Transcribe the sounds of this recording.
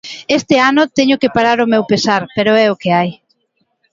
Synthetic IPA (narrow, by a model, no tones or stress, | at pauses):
est̪ɪanʊt̪ɛɲʊkepaɾaɾʊmewpesaɾpeɾʊɛʊkeaj